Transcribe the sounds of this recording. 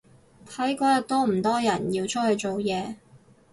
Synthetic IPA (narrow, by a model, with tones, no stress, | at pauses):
t̪ʰɐ˨˥jkɔː˨˥jɐ˨˩t̪ɔː˥m̩˨˩t̪ɔː˥jɐ˨˩njiː˧wt͡ʃʰɵ˥hɵ˧jt͡so˨wjɛː˧